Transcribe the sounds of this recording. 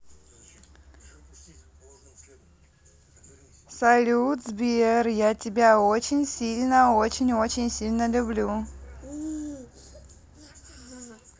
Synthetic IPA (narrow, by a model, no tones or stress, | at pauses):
sɐlʲut̪zbʲɪɛrjatʲɪbʲaot͡ɕɪnʲsʲilʲnəot͡ɕɪnʲot͡ɕɪnʲsʲilʲnəlʲʊblʲu